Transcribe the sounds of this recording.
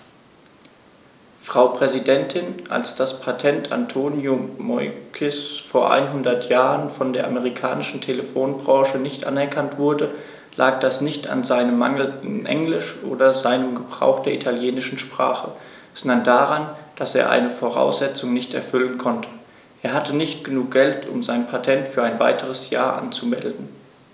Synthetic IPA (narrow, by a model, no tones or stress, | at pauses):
fʁ̥aʊpʁ̥ɛzidɛntʰɪnʔa̰lsd̥aspʰatʰɛntʰa̰ntʰoːnjomɔʏkʰɪsfoːɐʔa̰ɪnɦʊndɐtʰjaːʁənfɔndeːɐʔaməʁ̞ikʰa̰ːnɪʃn̩tʰeləfoːnbʁɔ̃ːʃənɪçtʔa̰nɛɐkʰantv̥ʊɐdə | lʔa̰ːk̚d̥asnɪçta̰nzaɪnəmːa̰ŋl̩ɪnʔɛ̰ŋlɪʃʔo̰ːdɐzaɪnəmɡəbʁa̰ʊxd̥eːɐʔitʰaljeːnɪʃn̩ʃpʁ̥a̰ːχə̥ | ɔndɐndaːʁand̥aseːɐʔa̰ɪnəfoːʁa̰ʊsz̥ɛt͡sʊŋnɪçtɛ̰ɐfʏlənkʰɔntʰə̥ | ʔeːɐɦatʰənɪçtɡ̥ənuːk̚ɡ̥ɛltʰʊ̰mzaɪnpʰatʰɛntfyːɐaɪnva̰ɪtʰəʁ̞əsja̰ːɐʔa̰nt͡sumɛ̰ldn̩